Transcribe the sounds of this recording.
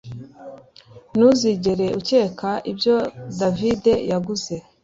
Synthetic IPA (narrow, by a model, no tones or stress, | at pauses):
nuziɟe̞ɾe̞ʔuce̞ːkaʔibjo̞davide̞jaɡuze̞